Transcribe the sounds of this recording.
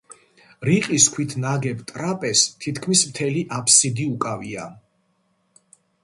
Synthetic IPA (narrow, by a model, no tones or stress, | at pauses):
ɾiqʼiskʰwit̪ʰnaɡɛpt̪ʼɾapʼɛst̪ʰit̪ʰkʰmismt̪ʰɛliʔapʰsid̪iukʼavia̰